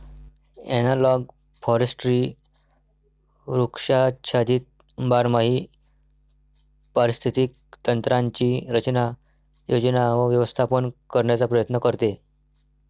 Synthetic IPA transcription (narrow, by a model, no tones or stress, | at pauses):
ɛ̰nalɔɡ | fɔɾesʈɾiː | ɾukʂat͡ɕʰad̪iːt̪̚ | baɾmaɦiː | pəɾist̪ʰit̪iːk̚ | t̪ənt̪ɾãɲt͡ɕiːɾət͡ɕna | jod͡ʑnaʋəʋjəʋəst̪ʰapənkəɾɳjat͡sapɾəjət̪nəkəɾt̪e